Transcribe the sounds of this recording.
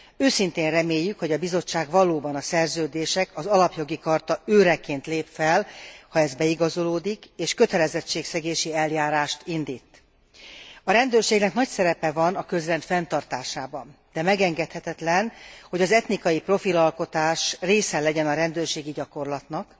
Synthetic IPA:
øːsint̪eːnrɛmeːjːykho̞ɟɒbizo̞t͡ʃːaːɡvɒloːbɒnɒsɛrzøːd̪eːʃɛkɒzɒlɒpjo̞ɡikɒrt̪ɒøːɾɛkeːnt̪leːpfɛlhɒɛzbɛiɡɒzo̞loːd̪ikeːʃkø̞t̪ɛlɛzɛt͡ʃːeːksɛɡeːʃiɛljaːɾaːʃt̪ind̪iːt̪ː | ɒɾɛnd̪øːrʃeːɡnɛknɒcsɛɾɛpɛvɒnɒkø̞zrɛnt̪fɛnt̪ɒrt̪aːʃaːbɒn | d̪ɛmɛɡɛŋɡɛt̪hɛt̪ɛt̪lɛnho̞ɟɒzɛt̪nikɒjipro̞filɒlko̞t̪aːʃreːsɛlɛɟɛnɒɾɛnd̪øːrʃeːɡiɟɒko̞rlɒt̪nɒk

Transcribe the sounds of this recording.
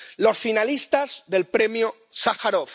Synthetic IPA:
lo̞sfinalist̪azðe̞lpɾe̞mjo | saxaɾof

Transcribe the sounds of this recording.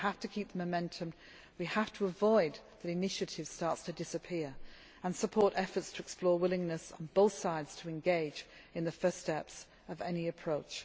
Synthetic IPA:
haftɨkʰip̚ðə̃məmɛ̃ntʰɨ̃m | wihaftʰəəvɔɪd̪̚ðɨɾɨnɪʃɨɾɪv̥stɑɹtstʰɨdɪsɨpʰɪɹ | ə̃nsəpʰɔɹɾɛfə˞tstʰəɛksplɔːɹwɪlˠɪ̃ŋnɨsn̩boʊθsaɪdz̥tʰəɨ̃nɡeɪd͡ʒɨ̃nðɨfɜ˞stɛps | ʌvɛniɨpʰɹ̥oʊt͡ʃ

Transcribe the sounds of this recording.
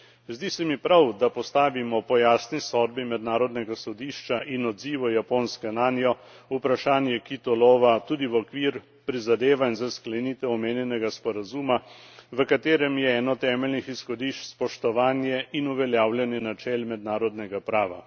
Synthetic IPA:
zd̪iːsɛmipɾawd̪apɔst̪aːʋimɔpɔjaːsnisɔd̪̚bimɛd̪naːɾɔd̪nɛɡasɔd̪iːʃt͡ʃaʔinɔd̪ziːʋɔjapoːnskɛnaːnjɔ | upɾaʃaːnjɛkit̪ɔlɔːʋat̪uːd̪iʋɔkʋiːɾ | pɾizad̪eːʋanzasklɛniːt̪ɛɔmeːnjɛnɛɡaspɔɾazumaʋəkat̪eːɾɛmjɛɛːnɔt̪ɛːmɛlnixisxɔd̪iʃt͡ʃspɔʃt̪ɔʋaːnjɛʔinuʋɛljaːwljɛnjɛnat͡ʃɛːlmɛd̪naːɾɔd̪nɛɡapɾaːʋa̰

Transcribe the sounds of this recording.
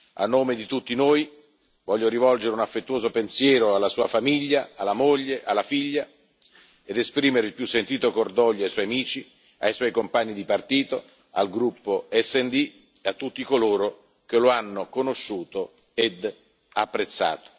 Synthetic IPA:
a̰nːoːmed̪it̪ut̪ːinoːj | vɔʎːoɾivɔld͡ʒeɾeunafːet̪ːwoːzopensjɛːɾoalːasuːafamiʎːaalːamoʎːeʔalːafiʎːa | ed̪espɾiːmeɾeilpjusːent̪iːt̪okord̪ɔʎːoajswɔjamiːt͡ʃi | a̰jswɔjkompaɲːid̪ipart̪iːt̪o | a̰lɡɾupːoɛsːɛnd̪i | eat̪ːut̪ːikoloːɾo | k̟eloanːokonoʃːuːt̪o | ed̪ | apːɾet̪sːa̰ːt̪o̥

